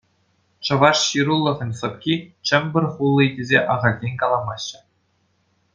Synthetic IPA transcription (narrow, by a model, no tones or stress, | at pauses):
t͡ɕɤ̆ʋɑʂɕiɾulˠːɤ̆ʁʲɤ̆nʲsɤ̆pkʲit͡ɕɘ̆mʲbʲɘ̆rʲχulˠːɤ̆idʲezʲeʔɑʁɑlʲdʲenʲkɑlˠɑmɑɕːɘ̆